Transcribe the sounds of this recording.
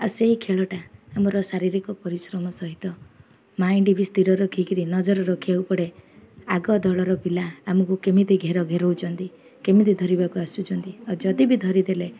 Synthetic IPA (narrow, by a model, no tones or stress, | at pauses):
aseɦikʰeɭɔʈaːmɔɾɔsaɾiɾikɔpɔɾisɾɔmɔsɔɦit̪ɔ | maĩɖibʱist̪iɾɔɾɔkʰikiɾinɔd͡ʒɔɾɔɾɔkʰiaupɔɽeaɡɔd̪ʱɔɭɔɾɔpilaːmɔkukemit̪iɡʱeɾɔɡʱeɾowt͡ʃʰɔnt̪i | kemit̪id̪ʱɔɾibakuasud͡ʒɔnt̪iɔd͡ʒɔd̪ibid̪ʱɔɾid̪ele